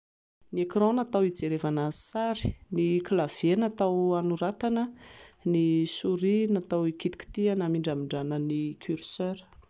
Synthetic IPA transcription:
niekrɔ̃nat̪awid͡zeɾevanasaɾi̥niklav̥enat̪awanuɾat̪anənisuɾinat̪awikit̪i̥kʲi̥t̪ianamiɳɖ͡ʐamiɳɖ͡ʐanənikʰyrsøɾ

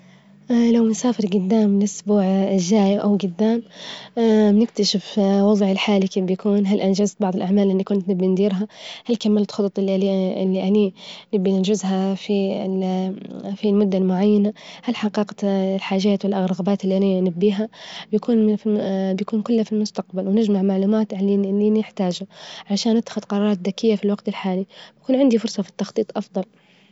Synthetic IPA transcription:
ʔlawmʊnsaːfɪɾɡʊd̪ːaːmlʔʊsbuːʕʒːaːjʔawɡʊd̪ːaːm | bɪnɪkt̪aʃɪfwɑðˤʕɪlħaːlikeːfbjakuːnɦalʔand͡ʒazt̪̚bɑʕðˤɪlʔaʕmaːlʔɪnːikʊnt̪nɪbːind̪iːɾɦahalkamːalt̪xɑt̪ˤɑt̪ˤɪlːiʔliɪlːiʔaninɪbːiʔɪnd͡ʒɪzɦafi | filmʊd̪ːalmʊʕajːanahalħaqiːqɑlħaːʒaːt̪wɪlʔaɣɾɣabaːt̪ɪlːiʔaninabːiːɦabjakuːnfibjakuːnkʊlːhafilmʊst̪aqbalwnɪd͡ʒmaʕmaʕluːmaːt̪ʕalinʔɪnːinɪħt̪aːʒaʕalaʃaːnːɪt̪ːaxʊd̪qɑɾˤɑːɾˤɑːt̪ðakɪjːafilwɑɡt̪ɪlħaːlibkuːnʕɪnd̪ifʊɾˤsˤɑfi̥t̪ːɑxt̪ˤiːt̪ˤʔɑfd̪ˤɑl

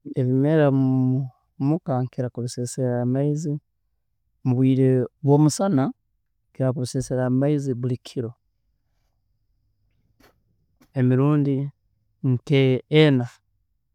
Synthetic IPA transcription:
eβimeɾamu | mukaŋkiɾakuluseseɾamaizi | muβwiːɾeβwo̞ːmusana | kiɾakuβuseseɾamaiziβulikʰiɾo̞ | emiɾuːndi | nteːna

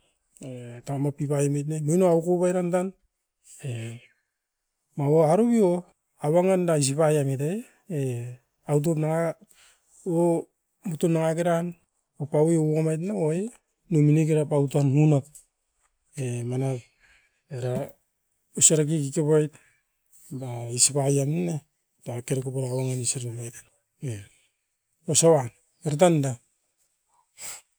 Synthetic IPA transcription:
etamapipajmajt̬namojnoaukoβajɾantan | e | mawoaɾuβio | aβaŋandas̬iβajamitae | e | awt̬opnaŋa | o | mutunaŋaɡeɾan | opaweoamajt̬naoe | numinik̬eɾapautanhunak̚ | emana | eɾa | usaɾak̬ikikepajt | baisipajamne | takeɾakupaɾawaŋanisaɾmajt | e | osawan | eɾt̬anda

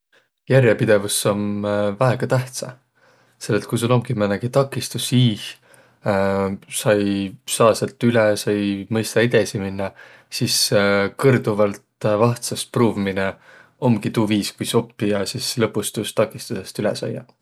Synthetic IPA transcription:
jærjepid̪̥e̞vusːo̞mvæeɡ̥ɑt̪æht̪sɑ̰ | se̞lːet̪̚kujs̬ulo̞mɡ̥imæneɡ̥it̪ɑkːˑist̪usiːh | sɑjsɑːselt̪ːˑylɛsɑjmɤjst̪ɑid̪esiminːɑ | siskɤrd̪uvɑlt̪vɑht̪sɑspruːvimine | o̞mɡ̥it̪uːviːskujso̞pːiɑsislɤpːˑust̪uːst̪ɑkːˑist̪use̞st̪ylɛ̰sɑ̰jːɑ̰

